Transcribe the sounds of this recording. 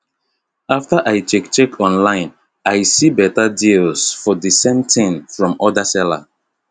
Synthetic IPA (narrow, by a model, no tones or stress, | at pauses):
aftaʔaɪt͡ʃɛkt͡ʃɛkʰɔ̃nlãɪ̃n | aɪsibɛtadilsfɔdisẽmtʰĩnfɹɔ̃mɔdasɛla̰